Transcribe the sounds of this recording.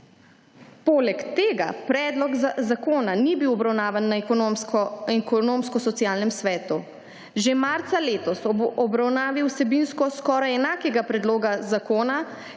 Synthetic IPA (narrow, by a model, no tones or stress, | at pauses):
poːlɛkt̪eːɡa̰pɾɛːd̪lɔɡzakoːnanibiwɔbɾawnaːʋanːaɔɛkɔnoːmskɔsɔtsjaːlnɛmsʋɛːt̪u | ʒemaːɾt̪saleːt̪ɔsɔbɾawnaːʋiwsɛbiːnskɔskɔːɾajɛnaːkɛɡapɾɛd̪loːɡazakoːna